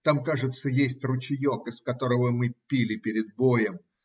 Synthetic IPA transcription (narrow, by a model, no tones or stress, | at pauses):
t̪amkaʐɨt̪səjesʲtʲrʊt͡ɕɪjokɪskɐt̪o̞ɾəvəmɨpʲilʲɪpʲɪɾʲɪd̪̚bojəm